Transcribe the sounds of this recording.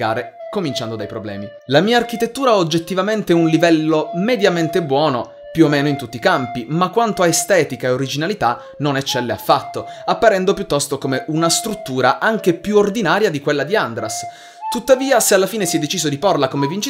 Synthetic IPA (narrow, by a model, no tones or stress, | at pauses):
a̰ːɾekomint͡ʃand̪od̪ajpɾoblɛ̰ːmi | lamiːaːrk̟it̪et̪ːuːɾaod͡ʒːet̪ːivament̪eɛunlivɛlːomed̪jament̪ebwɔːno̰ | pjuomːeːnoint̪ut̪ːikampimakːwant̪oaest̪ɛːt̪ikaeoɾid͡ʒinalit̪a | nonɛt͡ʃːɛlːea̰fːat̪ːoapːaɾɛnd̪opjut̪ːɔst̪okomeʔunast̪ɾut̪ːuːɾa̰ʔaŋk̟epjuord̪inaːɾjad̪ikwelːad̪iand̪ɾas | t̪ut̪ːaviːasealːafiːnesiɛd̪ːet͡ʃiːzod̪iporlakomevint͡ʃi